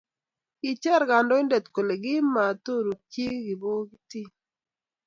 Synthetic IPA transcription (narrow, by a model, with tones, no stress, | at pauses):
i˨t͡ʃɛ˦˨ɾɡa˨ndɔ˦ɪ˦ndɛ˨t̪ko˨le˨ɡɪ˦ma˨t̪o˦˨ɾu˨ki˦ɡɪ˨bo˦ɡi˦ti˦